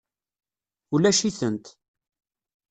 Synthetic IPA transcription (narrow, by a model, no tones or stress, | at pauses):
ulæʃiθənt̪